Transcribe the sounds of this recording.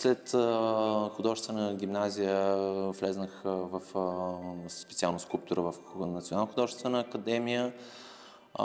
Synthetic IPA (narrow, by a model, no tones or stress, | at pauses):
slɛt̪ | xʊd̪ɔvʒst̪vɛnəɡʲimnazijəvlɛznəxvɐf | spɛt̪sialˠnoskulˠp̚t̪ʊɾəvɐf | nɐt̪sionalˠnoxʊd̪ɔʒɛst̪vɛnəːkəd̪ɛmijə